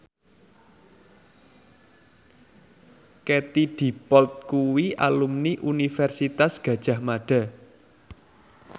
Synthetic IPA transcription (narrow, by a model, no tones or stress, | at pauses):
ket̪id̪̥i̤pɔlt̪̚kuwiʔa̰lumniʔunifɛrsit̪asɡ̥ä̤d̥ʒ̥ä̤hmaɖ̥ä̤